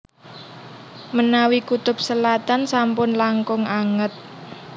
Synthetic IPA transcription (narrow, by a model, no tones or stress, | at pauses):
mənawikut̪ʊp̚səlat̪ansampʊnlaŋkʊŋaŋət̪̚